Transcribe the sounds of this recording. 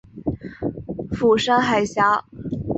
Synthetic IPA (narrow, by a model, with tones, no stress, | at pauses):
fu˨˩ʂa˥nxa˨˩ɪɕja˧˥